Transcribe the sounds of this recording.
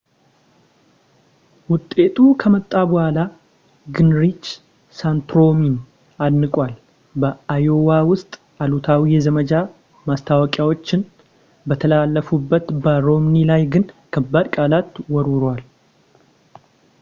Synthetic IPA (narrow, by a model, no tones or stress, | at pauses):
wʊt̪ʼːe̞t̪ʰʼukʰəmət̪ʼːabɔhala | ɡɨnɾit͡ʃ | sant̪ɾo̞min | ad̪nɨkʼwal | bəajowawʊst̪ʼ | ʔalut̪ʰawijɛzəməd͡ʒa | mast̪ʰawɔkʼjawo̞t͡ʃːɪn | bət̪ʰəlalːəfubːət̪bəɾo̞mnilajɡɨnkʰəbːad̪kʼalat̪wɔɾʊɾwal